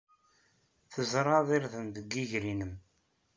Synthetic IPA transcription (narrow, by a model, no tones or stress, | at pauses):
θəzɾˤɑðˤiɾθənd̪əɡːiʝɾinəm